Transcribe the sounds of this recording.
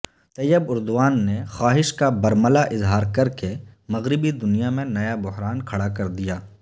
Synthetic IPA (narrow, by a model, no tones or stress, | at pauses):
t̪ɐjːəbʊɾd̪ʊʋaːnːexaːɦɪʃkabɐɾməlaʔɪzɦaːɾkɐɾkemɐɣɾɪbid̪ʊnijamẽnɐjabʊɦɾaːnkʰɐɽakɐɾd̪ijaː